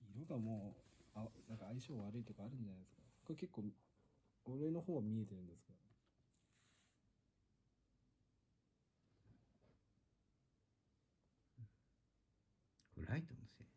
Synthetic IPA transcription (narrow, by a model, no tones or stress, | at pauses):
iɾoɡamo̞ːanãŋkaːiɕoːβaɾɯ̟it̪o̞kaːɾɯ̟̃nd͡ʑanajd̪sɨ̥kabokake̞kːoː | oɾe̞no̞ho̞ːβamʲie̞t̪e̞ɾɯ̟̃nd̪e̞sɨ̥kaɾ | ɸɯ̟ɾait̪onoso